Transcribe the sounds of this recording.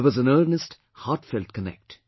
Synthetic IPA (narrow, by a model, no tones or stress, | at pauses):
ʋʌzə̃nɜːɾnəst | haʈfɛltkənɛ̰k̚ʈ